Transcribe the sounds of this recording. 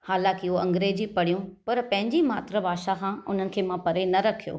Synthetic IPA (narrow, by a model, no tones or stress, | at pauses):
haːlãːkɪɦoɐ̃ŋɡɾeːd͡ʑipɐɽ̤ijũpɐɾpɐ̃ɦɪ̃ɲd͡ʑimaːt̪ɾəbʱaːʃaxʰãːʊn̤ənɪ̆kʰeːmãpɐɾenɐɾɐkʰijo̰ː